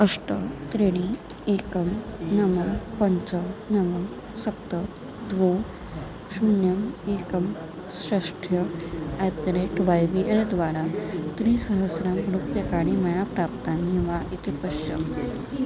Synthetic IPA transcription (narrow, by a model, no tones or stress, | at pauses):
əʂʈət̪ɾeɽ̃i | ekəmnɐməmpəɲt͡sənɐməm | sɐpt̪ə | d̪ʋo | sunjəmekəm | sɐʂʈʰjəat̪ɾeʈʋajbiʔəld̪ʋaɾat̪ɾiːsəɦəsɾamɡɾupjɐkaɽimɐjapɾap̚t̪anɦĩʋaʔit̪ipəɕjə̰